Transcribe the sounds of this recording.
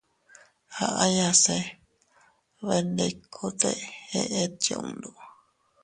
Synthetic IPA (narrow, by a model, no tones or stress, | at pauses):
haʔajase | βendekʰut̪eheʔeto̰ṵnd̪u